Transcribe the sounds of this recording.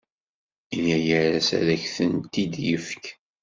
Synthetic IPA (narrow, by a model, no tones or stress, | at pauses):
ilːæjəɾæsæ̰ɾæçθənt̪id̪jəfk